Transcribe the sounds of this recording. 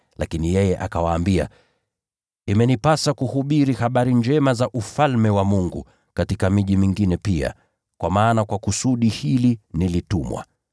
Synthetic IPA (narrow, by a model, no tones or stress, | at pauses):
lakinijɛjɛʔakawaːmbia̰ | imɛnipasakuhuɓiɾihaɓaɾind͡ʒɛmazaʔufalmɛwamuŋɡu | katikamiʄimiŋɡinɛpia̰ | kwamaːnakwakusuɗihilinilitumwa̰